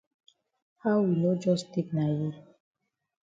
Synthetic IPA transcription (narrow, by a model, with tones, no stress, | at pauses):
ha˦ʊwi˨no˦d͡ʒɔ˦ste˦kna˨ji˦